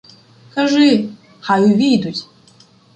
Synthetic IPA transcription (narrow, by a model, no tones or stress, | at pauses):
kɐʐɨ | xajuvʲijd̪utʲ